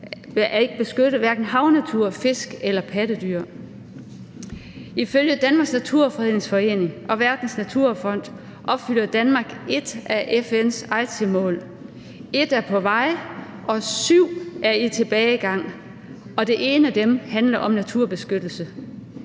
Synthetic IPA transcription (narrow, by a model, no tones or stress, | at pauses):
æe̝ɡ̥əb̥e̝sɡ̥øɾ̥ð̩ˠʋæɐɡ̥n̩ɦɑ̈ʊnæt͡sʰuɐ̰fe̝sɡ̥elɐpʰæɾ̥əd̥yɐ̰ | iføljəd̥ænmɑ̈ːɡsnæt͡sʰuɐ̰fʁið̰ˠŋsfɒ̽e̝̰ːne̝ŋʔɒ̽ʋæɐd̥n̩snæt͡sʰuɐ̰fɒ̽n̰d̥ | ʔɒ̽b̥fyl̰ɐd̥ænmɑ̈ːɡ̥e̝d̥ʔæʔefen̰sɑ̈ɪt͡sʰimɔ̰̽ːl | e̝d̥æɐpʰɒ̽ʋɑ̈ɪ̰ | ʔɒ̽syʊ̰ʔæɐit͡sʰe̝b̥ɛːɪɡ̥ɑ̈ŋ̰ | ɒ̽d̥e̝ʔe̝ːnəæd̥emhænlɐʔɒ̽mnæt͡sʰuɐ̰b̥e̝sɡ̥ød̥l̩sə